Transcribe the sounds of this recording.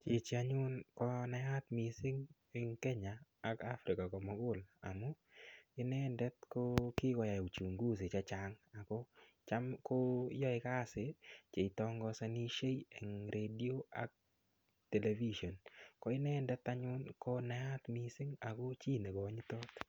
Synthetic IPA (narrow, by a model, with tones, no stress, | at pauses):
t͡ʃe˨t͡ʃɪ˨a˨˦ɲʊ˦nkɔ˦na˨ja˦t̪mi˨sɪ˦ŋ | e˨ŋkɛ˦ɲaː˨˦ka˦fɾɪ˨ka˨kɔ˨mɔ˦ɡʊ˦la̰˨mo˦ | ɪ˦nɛ˦ndɛ˦t̪ko˦kɪ˦kɔ˨ja˨u˨t͡ʃu˨ŋɡu˦s̬e˨t͡ʃa˦t͡ʃa˨ŋa˨ko˦ | t͡ʃa˦mko˦jɔ˦ɪ˨˦ka˦se˨t͡ʃe˨i˨tɔ˦ŋɡɔ˧sa˦ni˦ʃe˦je˨ŋɾʔe˨di˦o˦a̰˦k̚ | te˨le˨vi˦ʃo˨nkɔ˨˦ɪ˦nɛ˦ndɛ˦t̪a˦ɲʊ˦nkɔ˦na˨a˦t̪mi˨sɪ˦ŋa˨ko˦t͡ʃi˦ne˨kɔ˨˦ɲi˦t̪o˦t̪